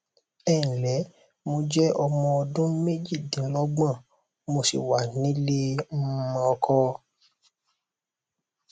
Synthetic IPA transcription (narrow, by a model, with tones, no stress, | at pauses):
ɛ˦˨n̩˨lɛ˨˦ | mo˧d͡ʒɛ˦ɔ˧mɔ̃˧ɔ˧dũ˦me˦d͡ʒi˦˨dĩ˨˦lɔ˦ɡ͡bã˦˨ | mo˧sḭ˨wa˨nĩ˨˦le˦m̩˦mã˧ɔ˧kʰɔ˧˦